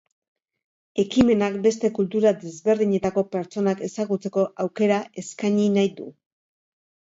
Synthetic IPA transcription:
e̞kime̞nakbe̞st̪e̞kult̪uɾad̪e̞zβe̞ɾðiɲe̞t̪ako̞pe̞ɾt͡ʃo̞nake̞saɣut͡se̞ko̞ʔawke̞ɾae̞skaɲinajd̪u

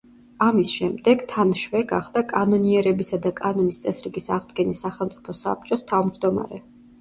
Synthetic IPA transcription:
amisʃɛmd̪ɛɡt̪ʰanʃwɛɡa̰χd̪akʼanɔniɛɾɛbisad̪akʼanɔnist̪sʼɛsɾiɡisaʁd̪ɡɛnisaχɛlˠmt̪sʼipʰɔsa̰p̚t͡ʃʼɔst̪ʰavmd͡ʒd̪ɔma̰ɾɛ

